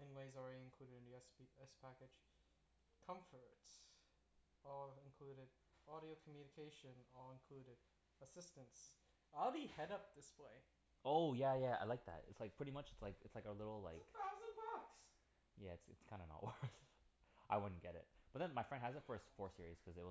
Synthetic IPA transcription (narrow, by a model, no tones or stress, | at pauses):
ɨ̃nweɪzəɹɛɾiɨ̃nkʰl̥uɾɨɾɨ̃niɛsbiɛspʰækɨd̥ʒ̥ | kʰʌ̃ɱfə˞ts | ɔlˠɨ̃nkʰl̥uɾɪɾ | ɔɾioʊkʰm̩jʉnɨkʰeɪʃɨ̃nɔlˠə̃nkʰl̥ʉɾɨɾ | əsɪstɨ̃nts | aɪlˠbihɛɾʌp̚ðɪspʰeɪ | oʊjæjæa̰ɪlaɪk̚ðæ̰tɪ̰tslaɪk̚pʰɹ̥ɪɾimʌt͡ʃɨtslaɪkɨtslaɪkəlɪɾl̩ˠlaɪkaʊzəbɑks | jæɨtsɨ̰tskʰãɪ̃ndənə̰ʔ̚wɜ˞θ | ʔaɪwʊdⁿn̩ɡ̥ɛɾɪ̰t̚b̥ʌt̪̚ðɨ̃nmaɪfɹɛ̃nd̚ɦæzɨtfɜ˞sfɔɹsɪɹiz̥kʰʌzɨt̚wʌ